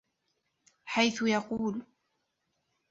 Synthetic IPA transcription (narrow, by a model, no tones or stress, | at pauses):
ħajθʊjɑquːl